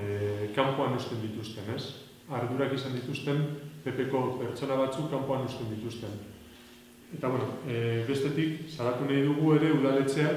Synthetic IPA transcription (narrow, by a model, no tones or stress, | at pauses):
kampo̞anost̪e̞nd̪it̪ust̪e̞ne̞s | aɾð̞uɾakisand̪it̪ust̪e̞mpe̞pe̞ko̞pe̞ɾt͡so̞naβ̞at͡sukːampo̞anost̪e̞nd̪it̪ust̪e̞n | e̞t̪aβweno̞βe̞st̪e̞t̪iksaβat̪unajðuɣ̞ue̞ɾe̞uðale̞t͡se̞a